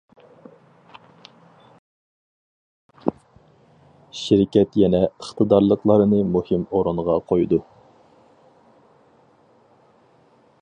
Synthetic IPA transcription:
ʃɪɾɪkʲɛt̪jɛnɛəχt̪ʰəd̪ɑɾlˠəqlˠɑɾɨnɨmuhɨmoɾuɴʁɑqʰojd̪u

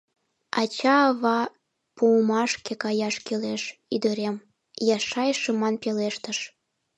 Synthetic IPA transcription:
ɑt͡ɕɑːβɑ | pumɑʃkekɑjɑʃkeleʃyd̪əɾem | jɑʃɑjʃə̆mɑnpeleʃt̪əʃ

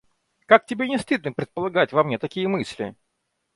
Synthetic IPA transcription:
kak̚tʲɪbʲenʲɪst̪ɨd̪nɨpɾʲɪt̪̚pəlˠɐɡatʲvɐmnʲet̪ɐkʲijəmɨsʲlʲɪ̰

